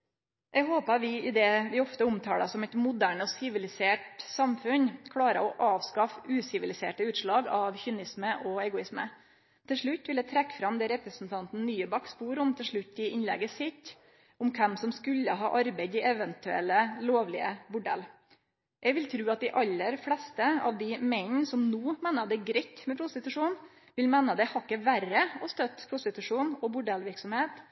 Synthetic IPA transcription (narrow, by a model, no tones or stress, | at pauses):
ʔɛɡɦoːpəʋɪɪd̪ɛʋɪɔft̪əʊmt̪ʰɑːlɑsɔmɛɪt̪mʊd̪æːɳɔsɪʋɪlɪseːʈsɑmfʉnkʰɽɑːɾə̰ɔʔɑːʋskɑfʉːsɪʋɪlɪsḛːʈəʉːt̪ʂɭɑːɡɑʋçʏnɪsməʔɔɛɡʊɪsmə̰ | t̪ʰɪlʂɭʉt̪ːʋɪlɛt̪ʰɾɛkːfɾɑmd̪ɛːɾɛpɾəsn̩t̪ʰɑnt̪n̩nyːəbɑkspuːɾʊmt̪ʰɪlʂɭʉt̪ːɪɪnlɛ̰ɡəsɪt̪ː | ʊmkʰɛmsɔmskʉlːəɦɑ̰ːʔɑɾbæɪd̪ɪʔɛʋənt̪ʉɛ̰lːəloːʋlɪ̰ə̰bʊɖɛ̰lː | ʔɛɡʋɪlt̪ʰɾʉːɑt̪̚d̪ɪʔɑlːəɾflɛst̪əɑ̰ʋd̪ɪmɛɪnsɔmnuːmeːnəd̪ɛɡɾɛtːmɛpʰɾʊst̪ɪt̪ʉʂuːn | ʋɪlmɛːnəd̪ɛhɑkːəʋæɾəɔst̪œt̪ːpʰɾʊst̪ɪt̪ʉʂuːnɔbʊɖɛlʋɪɾksɔmheːt̪